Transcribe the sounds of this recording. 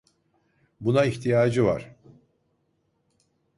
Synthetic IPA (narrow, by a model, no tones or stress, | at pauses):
bunaiçt̪ʰijaːd͡ʒɯva̰ɾ̥